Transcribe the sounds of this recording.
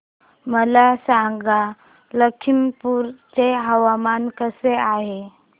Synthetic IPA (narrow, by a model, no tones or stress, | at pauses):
məlasãɡa | ləkʰimpuːɾt͡ɕeɦəʋamankəseaɦe